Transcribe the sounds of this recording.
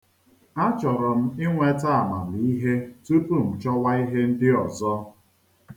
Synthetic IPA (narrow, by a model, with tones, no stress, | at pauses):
a˦t͡ʃɔ˨ɾɔ˨m̩˦ɪ˦ŋʷe˦ta˦a˨ma̰˨li˦ɦe˦tu˦pu˦˨m̩˨t͡ʃɔ˦wa˦i˦ɦe˦n̩˦dɪ˦ɔ˨zɔ˦